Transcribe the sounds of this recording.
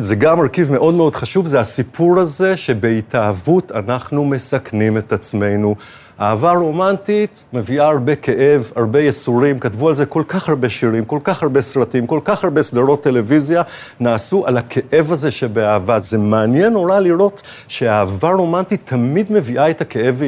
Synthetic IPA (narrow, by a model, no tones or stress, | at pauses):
zeɡamːaʁkivmeʔo̞dmeo̞d̥̪χaʃuvzehasipʰuʁhaze̞ʃe̞beitʰaːvutanaχnume̞saknime̞tat͡sme̞jnu | a̰ːvaʁo̞mantit | me̞viʔaːʁbe̞kʰe̞ʔe̞vaʁbe̞jesuʁimkatvualze̞ko̞lkaχhaʁbe̞ʃiʁimko̞lkaχhaʁbe̞sʁatimko̞lkaχhaʁbesdaʁo̞t̪ːe̞le̞vizja | naːsuʔalakʰe̞ʔe̞vazeʃebe̞aːvaze̞maːnje̞nːoʁaliʁo̞t | ʃe̞aːvaʁo̞mantit̪ʰːamid̪me̞viʔaetake̞ʔe̞v